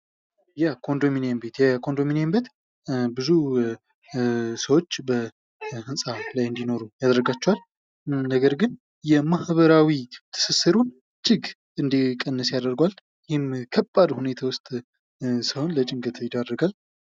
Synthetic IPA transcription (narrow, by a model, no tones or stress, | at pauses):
jakʰo̞nd̪ominembet̪jɛkʰo̞nd̪o̞minembet̪ | bɨzu | səwo̞t͡ʃːbə | hɨnsʼalajɨnd̪ino̞ɾujad̪əɾɡat͡ʃːɛwal | nəɡəɾɡɨn | jɛmahβəɾawit̪ʰɨ̥sɨsɨɾun | t͡ʃʼɪɡ | ɨnd̪ikʼənːəsjad̪əɾɡwal | jɪhɪmkʰəbʼːad̪hune̞t̪ʰawʊst̪ʼ | səho̞nlət͡ʃʼɪŋɡət̪ʰjɪd̪arːəɡal